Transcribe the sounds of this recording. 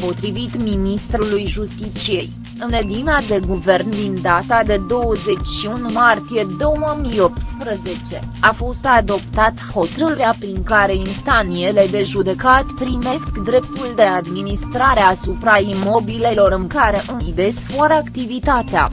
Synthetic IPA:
po̞t̪ɾivit̪minist̪ɾulujʒust̪it͡ʃije̞j | ɨned̪inad̪e̞ɡuve̞rnd̪ind̪at̪ad̪e̞d̪o̞wəze̞t͡ʃʲʃiunmart̪ije̞d̪o̞wməmijo̞p̚t̪spɾəze̞t͡ʃe̞ | afo̞st̪ad̪o̞p̚t̪at̪ho̞t̪əɾəɾeapɾiŋkaɾe̞inst̪anije̞le̞d̪e̞ʒud̪e̞kat̪pɾime̞skd̪ɾe̞p̚t̪uld̪e̞ad̪minist̪ɾaɾeaːsupɾaimo̞bile̞lo̞ɾɨŋkaɾe̞ʔɨnid̪e̞sfaɾəakt̪ivit̪at̪ea̰

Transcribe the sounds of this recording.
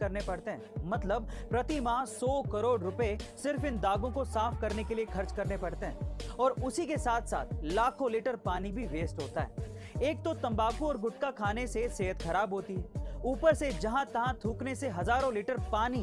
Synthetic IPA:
ɐɾnepɐɽt̪eɦɛ̰̃ːmɐt̪ləb̚pɾɐt̪imãsɔːkɐɾoːɽɾʊpəesɪɾfɪnd̪aːɡõkosaːfkɐɾnekeliekʰɐɾt͡ʃkɐɾnepɐɽt̪eɦɛ̃ːɔːɾʊsikesaːt̪ʰsa̰ːt̪̚ʰlaːkʰõliːʈəɾpaːnibʱiʋeːsʈɦoːt̪aɦɛ̰ːeːk̚t̪ot̪ɐ̃mbaːkuɔːɾɡʊʈ̚kakʰaːneseseːɦət̪xɐɾaːbɦoːt̪iɦɛːuːpəɾsed͡ʒɐɦãt̪ɐɦãt̪ʰuːkneseɦɐzaːɾõliːʈəɾpaːni

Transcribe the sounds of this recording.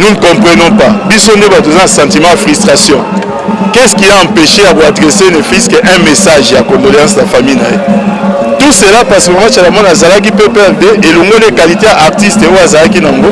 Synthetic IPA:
nun̩kɔ̃mpʁɛnɔ̃pabisondebat̬ozanasɑ̃timɑ̃jafʁyst̪ʁasjɔ̃ | kɛskiaɑ̃peʃejakoadʁesenefiskeʔɛ̃mesaʒjakɔ̃ndolɑ̃snafamijna̰jetuselapaʁskomat͡ʃalamɔnzalak̬ipepɛʁdeʔeloŋɡolekalitejaʔaʁtisteojazalakinaŋɡo

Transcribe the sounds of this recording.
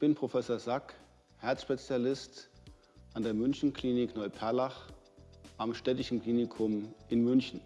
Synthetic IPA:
b̥ɪnpʁ̥ofɛsoːɐzak | hɛɐt͡sʃpet͡sjalɪst | ʔandeːɐmʏnçn̩kl̥iːnɪknɔʏpʰɛɐlaχ | ʔamʃtɛtɪʃn̩kl̥iːnɪkʰʊmʔɪnmʏnçn̩

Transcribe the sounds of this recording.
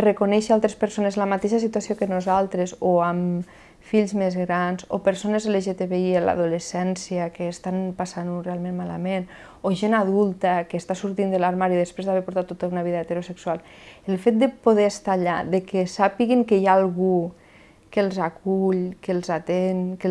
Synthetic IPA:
rəkonɛʃəalˠt̪ɾespəɾsonezləmat̪eʃəsit̪uasiokənuzalˠt̪ɾezoam | fiʎzmezɣɾanzopəɾsonezðəleʒet̪eβeiela̰ðulesɛnsijəkeːst̪anpasanurealˠmẽnmala̰men | oʒenaðulˠt̪əkəːst̪asuɾt̪ind̪əlaɾmaɾiðəspɾezðaβeɾpuɾt̪at̪ːot̪aunaβ̞iðəet̪eɾosəksualˠ | əlˠfet̪̚d̪əpoð̞eəst̪aːʎa̰ðəkəsapiɣiŋkəjaːlˠɣu | kəlˠzakuʎkəlˠzat̪eŋkə

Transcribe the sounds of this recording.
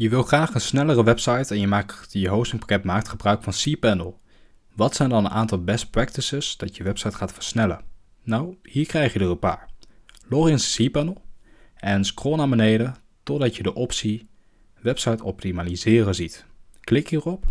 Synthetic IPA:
jəʋɪlˠχraːχənsnɛlərəʋɛpsɑjtɛnjəmaːkjəɦowstɪŋpḁkɛtmaːk̚tχəbrœɥkfɑnsipɛnəlˠ | ʋɑtsɛjndɑnənʔaːntɑlˠbɛst̚prɛktəsəsd̥ɑtjəʋɛpsɑjtχaːtfəɹsnɛlə̰ | nawhiːɹkrɛjχjədərəpa̰ːɹlɔriənssiːpɛnəlˠʔɛnskroːnaːmbənejdə | tɔdɑtjədəʔɔpsi | ʋɛpsɑjtɔ̰p̚timaːlizɪːrənzitklɪkɦiːrɔp

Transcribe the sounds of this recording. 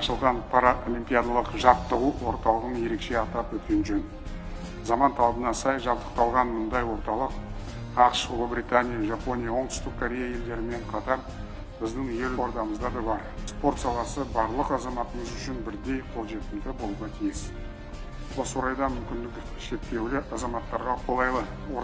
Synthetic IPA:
ɑʃəlˠʁɑnpʰɑɾaʔolʲˠimpʲijad̪alˠəqʒɑp̚t̪ːəʁuwʔo̞ɾt̪ɑlˠəʁənje̞ɾe̞kʃe̞ɑt̪ɑpwɵt̪̚kʲe̞nʒøn | zɑmɑnt̪ʰɑlˠɑbənɑsɑjʒɑpt̪ə̥q̚t̪ɑlˠʁɑnmʊnd̪ɑjwo̞ɾt̪ɑlˠəq | ɑqʃoʁbɾijt̪anʲijaʒapo̞nʲijawo̞ɴt̪ʏ̥st̪ɪk̚kʰoɾʲe̞jaje̞ld̪e̞ɾɪme̞ɴqʰɑt̪ɑɾ | bɪzd̪ɪŋje̞loɾd̪ɑməzd̪ɑd̪ɑbɑɾspo̞ɾt̪sɑlˠɑsəbɑɾlˠəqɑzɑmɑt̪əməzʏʃɪnbɪɾd̪e̞jqʰo̞lˠʒe̞t̪ɪmd̪ɪbo̞lˠuʁɑt̪ʰijɪs | wo̞səoɾɑjd̪ɑmʏmkʲɪnd̪ɪk | ʃe̞pt̪e̞wlɪʔɑzɑmɑt̪ːɑɾʁɑqʰo̞lˠɑjlˠə | wo

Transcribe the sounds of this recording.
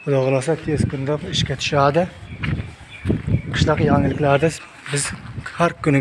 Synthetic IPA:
ʊd̪oʁlˠɑsat̪ʰeskʲʰʊnd̪apiʃkʲɛt̪ʰy̥ʃaːd̪a | qʰɨ̥ʃlˠɑqjɑŋɪlɪkʲlaɾd̪ɪ | bɪz̥haɾkʲʊnɪ

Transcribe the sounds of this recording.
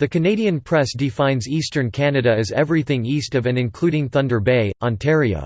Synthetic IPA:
ðɨkʰɨneɪɾiɨ̃npʰɹ̥ɛsd̥ɨfãɪ̃nzistə̃˞nkʰænɨɾɨɨzɛvɹiθɪ̃ŋistʌvɨ̃nɨ̃nkʰl̥uɾɪ̃ŋθʌ̃ndə˞beɪʔɑ̃ntʰɛɹiə̰

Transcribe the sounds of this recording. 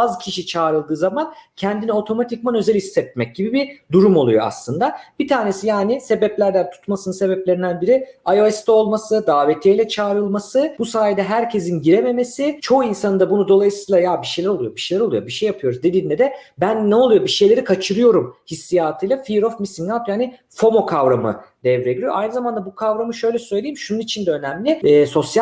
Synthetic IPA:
azcʰiʃit͡ʃʰaːɾɯlˠd̪ɯːzamancʰɛnd̪inio̞t̪ʰo̞mat̪ʰickmanø̞zɛlisːɛt̪̚mɛc̚ɟ̥ibibid̪uɾumo̞lˠṵjo̞̰a̰slˠɯnd̪ab̥it̪ʰaːne̞sijaːnise̞bɛplʲæɾd̪ænt̪ʰu̥t̪masɯnɯnse̞bɛplʲe̞ɾind̪ænbiɾiajo̞ɛst̪ɛo̞lˠmasɯd̪aːvet̪ʰejlʲɛt͡ʃʰaːɾɯlˠmasɯbusaːjd̪ɛɦæɾcʰe̞zinɟiɾeme̞me̞sit͡ʃʰo̞uinsanɯnd̪abunud̪o̞lˠajɯsɯjlˠajabiʃe̞jlʲæɾo̞lˠujo̞biʃejlʲæɾolˠujobiʃejapʰɯjo̞ɾuzd̪e̞d̪iːnʲɛd̪ɛbænːɛo̞lˠujo̞biʃe̞jlʲeɾikʰat͡ʃʰɯɾɯjo̞ɾumhisːijaːt̪ʰɯjlˠafiɾo̞fmisinnalp̪ʰjani | fo̞mo̞kʰavɾamɯ̰d̪̥ɛvɾeɟiɾijoʔajnɯzamand̪abukʰavɾamɯʃø̞jlʲɛsø̞jlʲejimʃununit͡ʃʰind̪ɛønæmlʲɪːso̞sja

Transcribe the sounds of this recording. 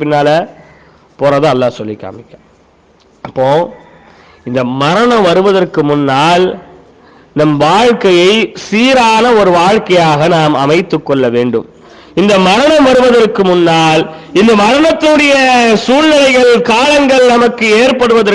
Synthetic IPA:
pɪnːaːlɐ | poːɾɐðɯɐlːaːsɔlːɪkːa̰ːmɪkːaː | ɐpːoː | ɪnd̪ɐmɐɾɐɳɐ̃mʋɐɾɯʋɐðɐrkɯmʊnːaːl | nɐmʋaːɻkɐjɐɪsiːɾaːnɐɔɾɯʋaːɻkɐjaːɣɐnaːmɐmɐɪt̪ːɯkːɔɭːɐʋeːɳɖɯ̰m | ɪnd̪ɐmɐɾɐɳɐ̃mʋɐɾɯʋɐðɐrkːɯmʊnːaːlɪnd̪ɐmɐɾɐnɐt̪ːɯɽɐjɐsuːɻnɪlɐɪɣɐɭkaːlɐŋɡɐɭnɐmɐkːɯeːɾpɐɽɯʋɐðɐɾ

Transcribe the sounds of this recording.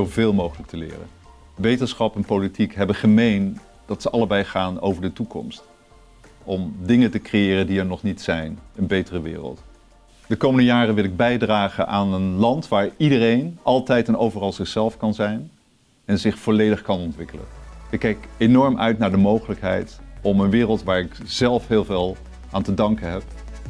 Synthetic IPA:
ovɪːlˠmowχələk̚tʰəlɪ̰ːrə̰n | ʋejtəsχɑpɛnpolitikɦɛbəχəmejn | d̥ɑtsəʔɑləbɛjχaːno̰wvəɹdətukɔ̰mst | ʔɔmdɪŋətəkrejɪːrəndiɛɹnɔχnitsɛjnənbejtərəʋɪ̰ːrə̰lˠt | d̥əkowməndəjaːrənʋɪlˠɪɡ̚bɛjdraːχənʔaːnənlɑntʋaːɹidərejnʔɑlˠtɛjtɛnowvərɑlˠzɪχsɛlˠfkɑnzɛjn | ɛnzɪχfoːlejdəχkɑnɔntʋɪkələ̰nɪkːɛjkenɔɹmʔœ̰ɥtnaːɹdəmowχələkɦɛ̰jtɔmənʋɪːrəlˠtʋaːɹɪkz̥ɛlˠfɦɪːlˠvɪːlˠ | ʔaːntədɑŋkənɦɛp

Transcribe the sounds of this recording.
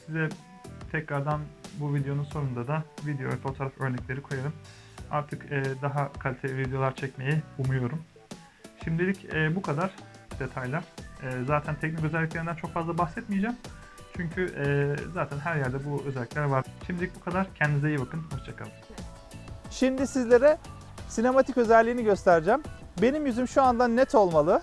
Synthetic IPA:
sizɛ | t̪ʰɛcɾaɾd̪anbuvid̪ejo̞nunso̞nund̪ad̪avid̪ejo̞̰vɛfo̞t̪ʰo̞ɾafø̞ɾnɛclʲe̞ɾikʰo̞jaɾɯm | a̰ɾt̪ʰɯkɛːd̪aɦakʰalʲit̪ʰelʲivid̪ejo̞lˠaɾt͡ʃʰɛcme̞jɛumujo̞ɾum | ʃimd̪ilʲicɛːbukʰad̪aɾ̥d̪̥e̞t̪ʰajlʲˠæɾ̥ɛːzaːt̪ʰænt̪ʰɛcnic̬øzɛlʲːicleɾind̪ænt͡ʃʰo̞kfazlˠabaxsɛt̪̚mijed͡ʒam | t͡ʃʰyɲcʰyʔɛːzaːt̪ʰænɦæɾjæɾd̪ɛbuøzɛlʲːiclʲæɾvaɾʃimd̪ilʲic̚bukʰad̪aɾ̥cʰɛnd̪izejibakʰɯnhast͡ʃʰakʰa̰lˠɯm | ʃimd̪isizlʲe̞ɾɛ | sine̞mat̪ʰicø̞zɛlʲːiːniɟø̞st̪ʰæɾid͡ʒæːmbe̞nimjyzymʃuand̪anːɛt̪ʰo̞lˠmalˠɯ

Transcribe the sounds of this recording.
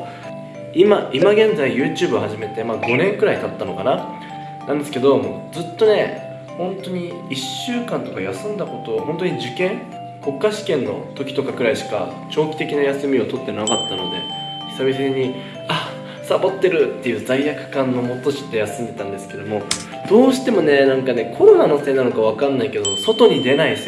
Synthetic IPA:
imaʔimaɡẽ̞nd͡zaijɯ̟ːt͡ɕɨːbɯ̟ohaʑime̞t̪e̞maːɡo̞nẽ̞ŋkɯɾait̪at̪ːano̞kana | nãnd̪esɨ̥ke̞d̪o̞moːd͡zɨt̪ːo̞ne̞ | hõ̞nt̪o̞ɲ̟i | iɕːɨːkãnt̪o̞kajasɨ̃nd̪ako̞t̪o̞ːho̞nt̪̬oɲ̟id͡ʑɨkẽ̞ŋ | ko̞kːaɕi̥kẽ̞nːo̞̰t̪o̞kʲi̥t̪o̞kakɯ̟ɾaiɕi̥ka̰ | t͡ɕo̞ːkʲi̥t̪e̞kʲinajasɨmʲio̞t̪o̞t̪ːe̞nakat̪ːano̞d̪e̞̰ | çi̥sabʲiɕiiɲ̟i | a | sabo̞t̪ːe̞ɾɯt̪ːe̞jɯ̟ːd͡zaijakɯ̟̥kãnːo̞mo̞t̪ːoɕi̥t̪ːe̞jasɨ̃nd̪e̞t̪ãnd̪e̞sɨ̥ke̞d̪o̞mo̞ | d̪̥o̞ːɕi̥t̪e̞mo̞nenãŋkane̞kʰo̞ɾo̞nanose̞ːnano̞kaβ̞akanːaike̞d̪omoso̞t̪o̞ɲ̟id̪e̞nais

